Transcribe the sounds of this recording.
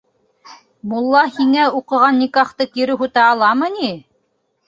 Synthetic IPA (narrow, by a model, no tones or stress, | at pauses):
mulˠːɑhiŋæuqɤ̆ʁɑnːikɑχt̪ɤkiɾɘɦut̪ɑːlˠɑmɤni